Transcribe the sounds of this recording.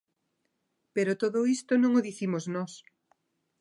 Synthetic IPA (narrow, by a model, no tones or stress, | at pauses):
peɾot̪oðoist̪onõŋoðiθimoznɔs